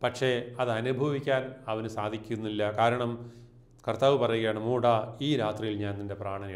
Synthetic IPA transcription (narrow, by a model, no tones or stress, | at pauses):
pɐkʂe̞ɐðɐnubʱɐʋikʲːaːnɐʋɐnɨsaːd̪ʱikʲːunːilːɐkaːɾɐɳɐm | kɐrt̪aːʋɨpɐrɐjuɣɐeːɳɐmuːɽaiːɾaːt̪rijilɲaːnninde̞praːɳɐni